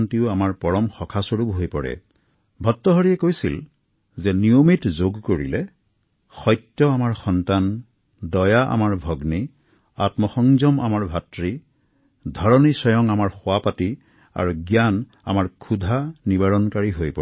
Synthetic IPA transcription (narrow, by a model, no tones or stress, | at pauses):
ntiʊamaɹpɔɹɔmxɔkʰasoɹubɦojpɔɹɛ̰ | bʱɔtːɔɦɔɹiɛkojsḭl | zɛniomitzoɡkoɹḭlɛ | xɔjtːjɔamaɹxɔntan | dɔjaʔa̰maɹbʱɔɡni | atmɔxɔŋzɔma̰maɹbʱatɹi | dʱɔɹɔnisɔjɔŋamaɹxoapati | a̰ɹuɡjan | a̰maɹkʰudʱanibaɹɔnkaɹiɦojpɔ